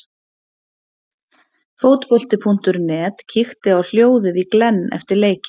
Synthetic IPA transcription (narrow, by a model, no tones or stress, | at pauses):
foːwt̪pɔl̥t̪ɪpʰun̥t̪ʏɾnɛːt̪cʰixt̪ɪawl̥joːwðɪðiklɛnːɛ̰ft̪ɪɾleːjcɪ̥